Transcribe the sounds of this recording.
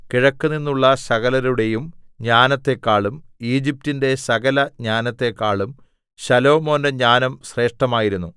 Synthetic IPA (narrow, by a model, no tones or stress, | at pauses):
kiɻɐkːunːinːuɭːɐsɐɣɐlɐɾuɽe̞jumɲaːnɐt̪ːe̞kːaːɭumiːd͡ʑip̚tinde̞sɐɣɐlɐɲaːnɐt̪ːe̞kːaːɭum | ɕɐlo̞ːmo̞ːndeɲaːnɐmsre̞ːʂʈɐmaːjiɾunːu